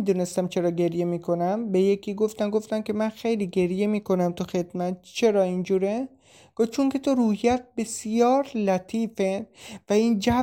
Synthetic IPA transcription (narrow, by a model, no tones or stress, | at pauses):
id̪uːne̞st̪æmt͡ʃʰe̞ɾɒːɡe̞ɾje̞miːkʰonæmbe̞jekʰiːɡo̞ft̪æmɡoft̪æmkʲe̞mænxejliːɡe̞ɾje̞miːko̞næmt̪ʰuxe̞d̪mæt̪t͡ʃʰe̞ɾɒːind͡ʒuːɾe | ɡ̥ot͡ʃʰoŋkʲe̞t̪ʰoɾuːhijæt̪̚be̞sjɒːɾlæt̪ʰiːfevæiːnd͡ʒæ